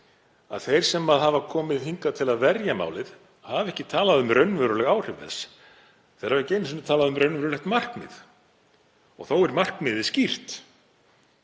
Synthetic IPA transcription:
a̰ðθejɾ̥sɛmːaðɦavakʰɔːmɪðhiŋkat̪ʰɪlaðvɛɾjama̰ːwlɪð | havɛhcɪt̪ʰaːlaðʏmɾœɥnvœɾʏlɛɣaːwr̥ɪvɛ̰s | θejɾhavɪceːjnsɪnɪt̪ʰaːlaðʏmɾœɥnvœɾʏlɛxt̪mar̥knmɪ̰ð | ɔɣθowɛɾmar̥knɪðɪscir̥t̪

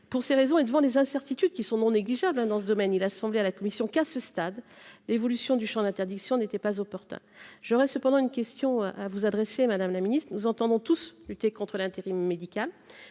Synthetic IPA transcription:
puʁseʁezɔ̃ed̪əvɑ̃lezɛ̃sɛʁt̪it̪yd̪̚kʲisɔ̃nɔ̃neɡliʒablɛ̃d̪ɑ̃səd̪ɔmɛnilasɑ̃blealakɔmisjɔ̃kasəst̪ad̪levɔlysjɔ̃d̪yʃɑ̃d̪ɛ̃t̪ɛʁd̪iksjɔ̃net̪ɛpazɔpɔʁt̪ɛ̰̃ʒ̥ɔʁɛsəpɑ̃d̪ɑ̃ynkʲɛst̪jɔ̃avuzad̪ʁesemad̪amlaminist̪χnuzɑ̃t̪ɑ̃d̪ɔ̃t̪uslyt̪ekɔ̃t̪χəlɛ̃t̪eʁimːed̪ikʲal

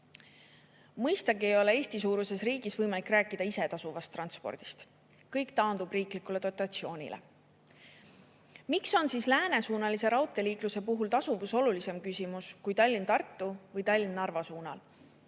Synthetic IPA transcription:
mɤjst̪ɑɡiejo̞le̞e̞ːsʲt̪isuːɾuse̞sriːɡ̥isvɤjmɑlikˑræːkːˑid̪̥ɑise̞t̪ɑsuvɑst̪ːrɑnt̪spo̞̰rd̪̥i̥st̪ | kɤjkt̪ɑːnd̪̥ubriːklikule̞t̪o̞t̪ːˑɑt̪sio̞ːnʲḭlʔḛ | mikso̞nsiːslæːne̞suːnɑlise̞ɾɑwt̪ːˑe̞liːkluse̞puɦult̪ɑsuvuso̞lulise̞mkysimuskujt̪ɑlʲːint̪ɑrt̪ːuvɤjt̪ɑlʲːinːnɑrvɑsuːnɑl

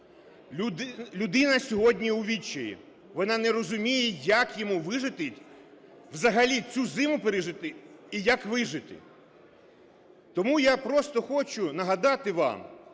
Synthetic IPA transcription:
lʲʊd̪ɪnɐsʲɔɦɔdʲnʲiʊʋʲit͡ʃːɪjʲḭ | ʋɔnɑnɛɾɔzʊmʲijɛjɐkjɔmuʋɪʒɪt̪ɪtʲ | ʋzɐɦɐlʲit͡sʲuzɪmʊpeɾɪʒɪt̪ɪijɐkʋɪʒɪt̪ɪ̰ | t̪ɔmujapɾɔst̪ɔxɔt͡ʃʊnɐɦɐd̪ɑt̪ɪʋɑ̰m

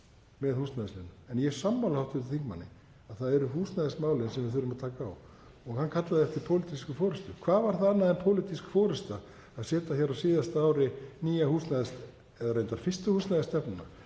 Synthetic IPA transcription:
mɛðhuːst̪naðɪslɪnːaɛnjɛ̥samːawlahawht̪ɪɾt̪θʰiŋkma̰nːɪ̰ | aðθaðɛɾʏhuːsnaðɪsmaːwlɪnsɛmvɪθʏɾʏmaðt̪ʰaːkaːw | ɔɣhankʰat̪laðɪɛft̪ɪɾpʰowlit̪iskʏfɔːɾʏst̪ʏkʰvaːvaɾ̥θaanːaðɛnpʰowlɪt̪iskfɔːɾʏst̪a | aðsɛːt̪açɛɾawsiːðast̪aaːwɾɪniːjahuːsnaðɪst̪ | ɛðaɾejnt̪aɾ̥fɪst̪ʏhuːst̪naðɪst̪ɛpnʏna̰

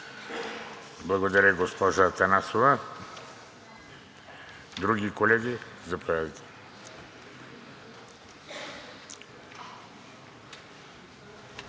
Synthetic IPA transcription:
blˠɐɡod̪aɾəɡospɔʒat̪anasova | d̪ɾuɡikolɛɡizapojad̪it̪ɛ̥

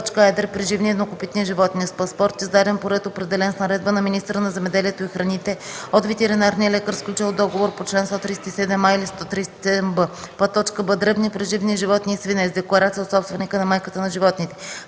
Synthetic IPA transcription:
t͡ʃkəɛd̪əɾpɾiʒivniɛd̪nokopit̪niəʒivɔt̪niəspɐspɔɾt̪izd̪ad̪ɛnpoɾɛt̪opɾɛd̪ɛlɛnsnɐɾɛd̪̚bənɐminist̪əɾənɐzɛmɛd̪ɛliɛt̪oixɾɐnit̪ɛot̪vɛt̪ɛɾinaɾniəlɛkəɾsklʲut͡ʃlˠd̪ɔɡovoɾpot͡ʃlɛnst̪ɔt̪ɾisɛ̥t̪isɛd̪ɛmailist̪ɔt̪ɾisɛ̥t̪i̥sɛd̪ɛmbəpɐt̪ːɔt͡ʃkəbəd̪ɾɛbnipɾiʒivniʒivɔt̪nʲiːsvinɛzd̪ɛklˠɐɾat̪sijəot̪sɔpst̪vɛnikənɐmajkət̪ənɐʒivɔt̪nit̪ɛ

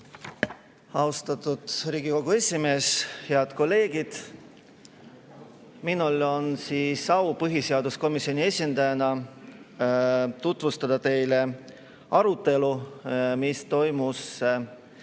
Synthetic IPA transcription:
ɑust̪ɑt̪ud̪̥ɾiːɡ̥iko̞ɡ̥ue̞sʲime̞ːsheɑd̪̥ko̞lːe̞ːɡid̪̥ | minulo̞nsiːsɑwpɤɦiseɑd̪usko̞misːio̞nie̞sʲind̪̥ɑjɑnɑ | t̪ut̪vust̪ɑd̪̥ɑt̪e̞jle̞ | ɑɾut̪ːˑe̞lumist̪o̞jmus

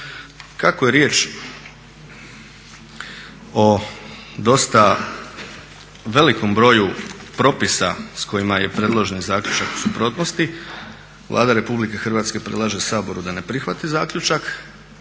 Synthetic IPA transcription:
kakoje̞ɾje̞ːt͡ʃ | o̞ | d̪o̞st̪a | ʋe̞liko̞mbɾo̞jupɾo̞pisasko̞jimaje̞pɾe̞d̪lˠoʒenizaːkʎʲut͡ʃaku̥supɾo̞ːt̪nost̪i | ʋlˠʔˠa̰ːd̪aɾe̞publike̞xr̩ʋaːt̪ske̞pɾed̪lˠaʒeusaːbo̞ɾud̪ane̞pɾixʋat̪izaːkʎut͡ʃak

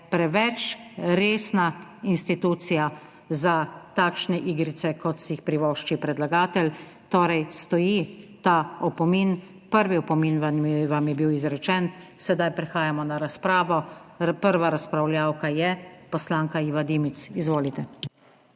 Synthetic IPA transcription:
pɾɛʋɛt͡ʃɾeːsnainst̪it̪uːt̪sija | zat̪aːkʃnɛʔiːɡɾit̪sɛkɔt̪sixpɾiʋɔːʃt͡ʃipɾɛd̪laɡaːt̪ɛl | t̪oːɾɛjst̪ɔjit̪aɔpɔmin | pəɾʋiɔpɔminʋaʋamjɛbiwizɾɛt͡ʃɛnsɛd̪ajpɾɛxaːjamɔnaɾaspɾaːʋɔpəɾʋaɾaspɾawljaːwkajɛpɔslaːŋkaiʋad̪iːmit̪sizʋoːlit̪ɛ

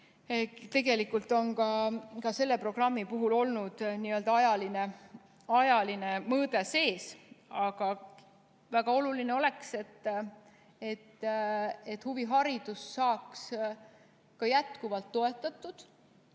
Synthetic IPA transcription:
t̪e̞ɡe̞likːult̪ːˑo̞nkɑkɑse̞lːe̞pro̞ɡ̥rɑmːipuɦulo̞lnud̪̥niø̞ld̪ɑɑjɑline | ɑjɑline̞mɤːd̪e̞se̞ːsɑɡ̥ɑ | væɡ̥ɑo̞lulineo̞le̞kse̞t̪ː | et̪ː | et̪ːhuviɦɑɾid̪̥usːɑːks | kɑjæt̪kuvɑlt̪ːo̞e̞t̪ːˑɑt̪ːˑud̪̥

